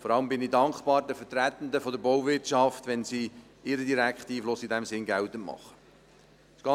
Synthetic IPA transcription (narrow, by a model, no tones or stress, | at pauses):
fɔɾɑləmbɪnidɑŋkχpɑːɾdəfətɾæt̪ən̩d̪əfɔdəɾbɔwvɪtt͡ʃɑftʋɛnsiː | ɪɾədiɾækχtiːflʊsidæmsɪnɡælt̪əmɑ̰χə̥ | sɡ̥ɑ